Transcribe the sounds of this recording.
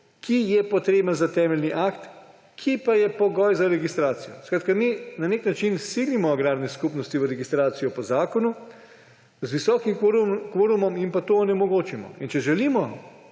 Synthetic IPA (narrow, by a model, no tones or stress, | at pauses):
kʰijɛpɔt̪ɾeːbənzat̪ɛːmɛlniʔakt̪ | kʰipajɛpɔɡɔjzaɾɛɡist̪ɾaːt̪sijɔ̰skɾaːt̪kaminaneknat͡ʃinsiːlimɔaɡɾaːbnɛskupnɔst̪iʋəɾɛɡist̪ɾaːt̪sijɔpɔzaːkɔnu | zʋisɔːkimkʋoːɾumɔmimpat̪oːnɛmɔɡoːt͡ʃimɔ̰int͡ʃɛʒɛliːmɔ